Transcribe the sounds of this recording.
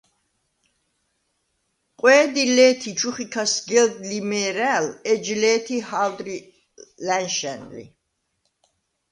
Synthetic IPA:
qʼwɛːd̪ilɛːt̪ʰit͡ʃʰuχikʰasɡɛld̪limɛːɾæːlɛd͡ʒlɛːt̪ʰihald̪ɾi | lænʃɛ̰nlḭ

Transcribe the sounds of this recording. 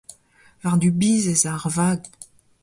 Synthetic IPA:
vaʁd̪ybiːzezaʁvaːɡ

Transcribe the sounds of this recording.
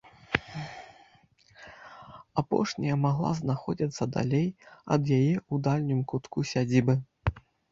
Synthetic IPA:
apɔ̰ʂnʲɐjɐmaɣlˠa̰znaxɔd͡zʲit̪sːɐd̪a̰lʲejɐ̰d̪jajɛud̪alʲnʲɨmkut̪kusʲad͡zʲibɨ

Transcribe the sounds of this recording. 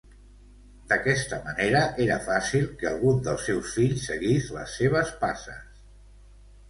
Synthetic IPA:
d̪əkɛst̪əməneɾəʔeɾəfasilˠkəə̰lˠɣund̪əlˠsɛwsfiʎsːəɣizlə̰sːeβ̞əspasə̰s

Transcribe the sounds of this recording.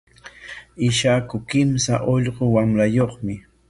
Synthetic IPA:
ɪʃakʊkɪmsa̰ʔoʎɢowamɾajoχmɪ

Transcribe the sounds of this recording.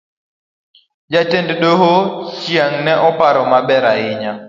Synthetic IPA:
d͡ʒatendɗoɦoʃjaŋnɛʔɔpaɾɔmabɛɾaɪɲa

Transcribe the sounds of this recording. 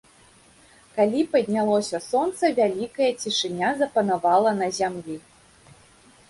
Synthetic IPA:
kalʲipɐd̪ʲnʲalˠɔsʲɐsɔnt̪sɐvʲalʲikɐjɐt͡sʲiʂɨnʲazɐpɐnavalˠɐnɐzʲamlʲi

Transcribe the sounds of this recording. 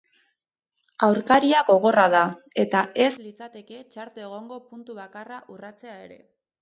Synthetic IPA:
awɾkaɾiaɡo̞ɣ̞o̞raða | e̞t̪ae̞slit͡sat̪e̞ke̞t͡ʃaɾt̪oeɣ̞o̞ŋɡo̞punt̪uβakaraʔurat͡se̞ae̞ɾe̞̰

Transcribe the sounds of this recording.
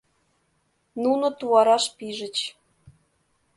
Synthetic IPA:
nunŏt̪uɑɾɑʃpiʒə̆t͡ɕ

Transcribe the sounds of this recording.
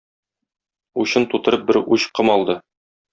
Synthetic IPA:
uɕɤnt̪ut̪ɤ̆ɾɤp̚bɘɾuɕqɤmɒlˠd̪ɤ

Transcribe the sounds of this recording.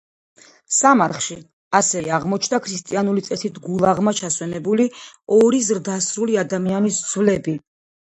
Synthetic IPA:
samaɾχʃi | asɛaʁmɔt͡ʃʰnd̪akʰɾist̪ʼianulit̪sʼɛsit̪ʰɡulˠaʁmat͡ʃʰaswɛnɛbuliɔɾizɾd̪asɾuliad̪amianisd̪z̥vlɛbi

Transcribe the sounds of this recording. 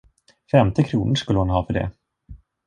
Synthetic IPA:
fɛmt̪ɪkʰɾuːnəʂkɵləhʊnɦɑːfœɖɛ̰

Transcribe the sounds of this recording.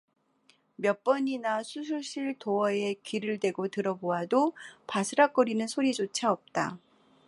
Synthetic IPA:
mjʌp͈ʌɲinasʰusʰuɕ͈ʰiɭtoʌe̞kiɾɯɭdwe̞ɡotɯɾʌboɦadopasʰɯɾak͈ʌɾinɯnsʰoɾid͡ʑot͡ɕʰaʌp̚t͈a̰

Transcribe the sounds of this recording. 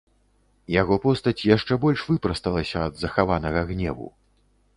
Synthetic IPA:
jaɣɔpɔst̪ɐt͡sʲjaʂt͡ʂɛbɔlʲʂvɨpɾɐst̪ɐlˠɐsʲɐːd̪zɐxavanɐɣɐɣnʲɛ̰vṵ

